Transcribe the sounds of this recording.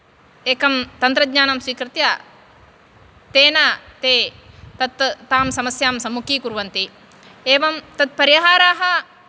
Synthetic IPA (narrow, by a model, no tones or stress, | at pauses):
eːkɐmt̪ɐnt̪ɾɐd̪ɲaːnɐmsʋiːkɾɨt̪jaː | t̪eːnaːt̪eːt̪ɐt̪ːaːmsɐmɐsjaːmsɐmːukiːkuɾʋɐnt̪i | eːʋɐmt̪ɐt̪̚pɐɾiɦaːɾaːɦɐ